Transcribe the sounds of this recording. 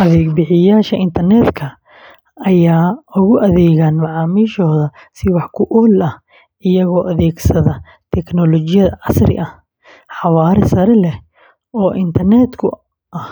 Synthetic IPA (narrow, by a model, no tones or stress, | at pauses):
ʔɐðɛːɡbɪħɪjaːʃɐʔɪnt̪ʰɐrnɛd̪kʰɐ | ɐjaːʊɣʊʔɐðɛːɣaːnmɑʕɑːmiːʃɔːðɐsɪwɑħkʰʊʔɔːlɐh | ʔɪjɐɣɔːʔɐðɛːɡsɐðɐ | t̪ʰɛknɔlɔt͡ʃɪjɐðɐʕɑsrɪ̰ʔɐh | ħɑwaːɾɪsɐɾɛlɛh | ɔːʔɪnt̪ʰɐrnɛːd̪kʰʊ̰ | ʔɐh